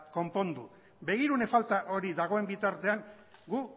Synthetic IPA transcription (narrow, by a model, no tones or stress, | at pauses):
ko̞mpo̞nd̪u | be̞ɣ̞iɾune̞falt̪aʔo̞ɾiðaɣ̞o̞e̞mbit̪aɾt̪e̞aŋ | ɡu